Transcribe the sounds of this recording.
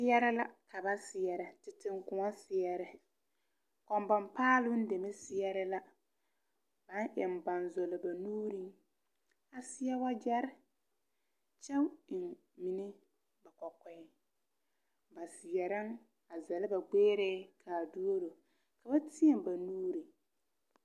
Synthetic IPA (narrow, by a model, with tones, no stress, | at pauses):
sɪ˦jɛ˦ɾɪ˦la˦kʰa˨ba˦sɪ˨jɛ˨ɾɪ˨tɪ˨tɪ˨ŋkʊ˨ŋa˦sɪ˨jɛ˦ɾɪ˨ | kɔ˨mba˨mpaː˦lʊ˦n̩˦de˨mɛ˦sɪ˦jɛ˦ɾɪ˦la˦ | b̥a˨˦nʔɛ˨m˨ba˨nzo˨lɪ˨ba˨nuː˦ɾi˦ŋ | a˨sɪ˦jɛ˦wa˦d͡ʒa˦ɾɪ˦ | t͡ʃɛ˦wɪ˨n | mi˨nɪ˦ | ba˨kɔ˨kɛ˦ɪ˦ | ba˨sɪ˨jɛ˨ɾa˦ŋ | a˨zɛ˨lɪ˦ba˨ɡ͡beː˦ɾeː˦kʰaː˨du˦o˦ɾo˨ | ka˨ba˦tɪ˦ɛ˨mba˨nuː˦ɾi˨